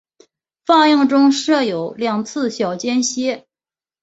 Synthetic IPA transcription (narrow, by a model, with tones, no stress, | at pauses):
fa˥˧jɑ˥˧ŋʈ͡ʂʊ˥ŋʂɤ˥˩jo˨˩˦ʊljɑ˨˩ŋt͡sʰɹ̩˥˧ɕjɑ˨˩ʊt͡ɕjɛ˥nɕjɛ˥